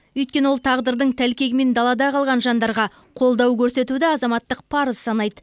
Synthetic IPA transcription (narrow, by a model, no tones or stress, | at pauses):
ʏjt̪kʲe̞no̞lˠt̪ʰɑʁd̪əɾd̪əɴt̪ʰælkʲe̞ɡʲɪme̞nd̪ɑlˠɑd̪ɑqʰɑlˠʁɑnʒɑnd̪ɑɾʁɑ | qʰo̞lˠd̪ɑwkʲʰɵɾse̞t̪ud̪ɪɑzɑmɑt̪ːəq̚pʰɑɾəz̥sɑnɑjd̪ə